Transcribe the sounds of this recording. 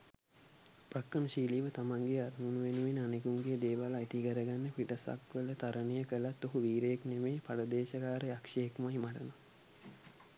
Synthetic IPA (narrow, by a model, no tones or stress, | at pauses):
pɾɐkrəməʃiːliːʋət̪amaŋɡeaɾŋunuʋenuʋenəanekuŋɡed̪eːʋalait̪ikəɾəɡanːəpiʈəsa̰kʋələt̪aɾənejəkəlat̪ːoɦuʋiːɾəjeknemeːpalɐd̪eːʃɐkaːɾeakʂɐjekmajmaʈəno